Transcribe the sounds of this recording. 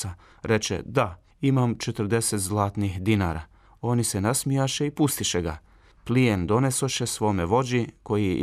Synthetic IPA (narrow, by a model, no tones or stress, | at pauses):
a | ɾe̞t͡ʃḛd̪a | imamt͡ʃet̪r̩d̪e̞set̪zlˠaːt̪nixd̪inaɾa̰ː | o̞nisenasmijaʃe̞ipust̪iʃeɡa̰ | plijend̪o̞ne̞so̞ʃe̞sʋo̞meʋo̞d͡ʑiko̞ji